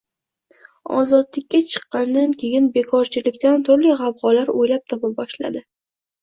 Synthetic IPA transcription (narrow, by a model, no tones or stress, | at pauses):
ɒ̰zɒd̪lɪkʲːat͡ʃʰɨ̥qːɑnd̪ankʲʰe̞jɪnbe̞kʰɒɾt͡ʃʰɪlɪkʲt̪ant̪ʰʊɾlɪʁɑvʁɒlaɾojlap̚t̪ʰɒpabɒʃla̰d̪ɪ